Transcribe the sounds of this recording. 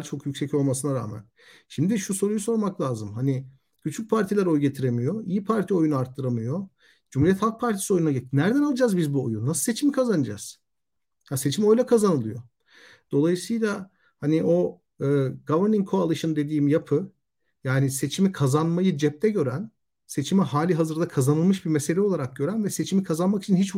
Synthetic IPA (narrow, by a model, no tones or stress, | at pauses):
t͡ʃʰo̞kjycʲsɛco̞lˠmasɯnaɾa̰ːmæ̰n | ʃimd̪iʃuso̞ɾujuso̞ɾmaklʲˠaːzɯmhani | cʰyt͡ʃʰy̥c̚pʰaɾt̪ʰilʲæɾo̞jɟe̞t̪ʰiɾe̞mijo̞ijipʰaɾt̪ʰio̞junuaɾt̪ʰːɯɾamɯjo̞ | d͡ʒumhuɾijɛt̪halˠk̚pʰaɾt̪ʰi̥sio̞junnaɟet͡ʃnæɾd̪ænalˠɯd͡ʒaːzbizbuo̰junːasɯ̥se̞t͡ʃʰimikʰazanɯd͡ʒa̰z̥ | hase̞t͡ʃʰimo̞jlʲˠakʰazanɯlˠɯjo̞ | d̪̥o̞lˠajɯsɯjlˠa | haniʔo̞ | ɯːɡavɛɾniŋkʰoalˠɯʃɯnd̪e̞d̪iːimjapʰɯ | jaːnise̞t͡ʃʰimikʰazanmajɯd͡ʒɛp̚t̪ʰɛɟø̞ɾæn | se̞t͡ʃʰimiɦaːlʲiɦazɯɾd̪akʰazanɯlˠmɯʃbimese̞lʲɛo̞lˠaɾak̚ɟø̞ɾænvɛse̞t͡ʃʰimikʰazanmaki̥t͡ʃʰinhit͡ʃ